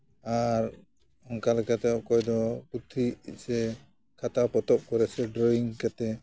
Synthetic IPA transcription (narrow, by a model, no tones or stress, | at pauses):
aɾ | hɔŋkalɛkat̪ɛɔkɔjd̪ɔput̪ʰːiḭsɛ | kʰat̪apɔt̪ɔp̚kɔɾɛsɛɖɾɔiŋkat̪ɛ